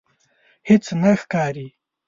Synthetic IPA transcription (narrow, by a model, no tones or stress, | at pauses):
hɪt͡snaxkɑːɾi